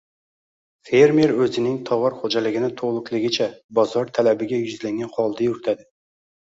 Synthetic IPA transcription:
fe̞ɾme̞ɾɵzɪnɪŋt̪ʰɒwɒɾχod͡ʒalɪɡʲɪnɪt̪ʰoʁlˠʊklˠɪɡʲɪt͡ʃʰabɒzɒɾt̪ʰalabɪɡʲajʊzlaŋɡʲanχɒlˠd̪ajʊɾɪt̪ʰad̪ɪ

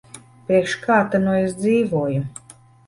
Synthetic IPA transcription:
pɾiɛkʃkʰaːt̪anuesd̪ziːvuɔju

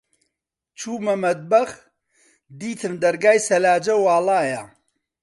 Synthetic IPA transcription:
t͡ʃʰuːmɐmɐd̪̚bɐx | d̪iːt̪ʰɨmd̪ɐɾɡaːjsɐlaːd͡ʒɐwaːlaːja

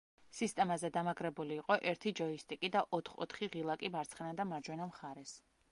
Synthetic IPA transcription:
sist̪ʼɛmazɛd̪amaɡʼɾɛbuliːqʼɔʔɛɾt̪ʰid͡ʒɔist̪ʼikʼid̪aʔɔt̪ʰχɔ̰t̪ʰχiʁilˠakʼibaɾt̪sʰχɛnad̪amaɾd͡ʒwɛnamχaɾɛs

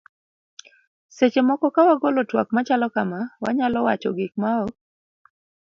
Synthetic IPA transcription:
set͡ʃemɔkɔkawaɡolɔtwa̰k̚mat͡ʃalɔkamawaɲalɔwat͡ʃɔɡɪk̚maɔk̚

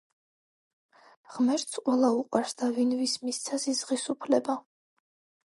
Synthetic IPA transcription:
ʁ̥mɛɾt̪sqʼwɛlˠauqʼwaɾsd̪avinvismist̪sʰasizʁisupʰlɛba

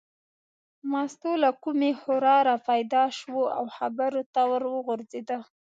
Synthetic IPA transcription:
mɑst̪olakumehʊɾɑɾapajd̪ɑʃwoa̰wxabaɾot̪awəɾwəɣʊɾzed̪a

